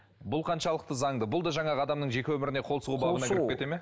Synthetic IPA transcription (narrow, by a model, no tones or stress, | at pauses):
bʊlˠqʰɑnʃɑlˠəq̚t̪əzɑɴd̪əbʊlˠd̪ɑʒɑɴɑɑd̪ɑmnəɴʒe̞kʲɪwɵmɪɾɪne̞qʰo̞lˠsəʁubɑbənɑkɪɾpkʲet̪eme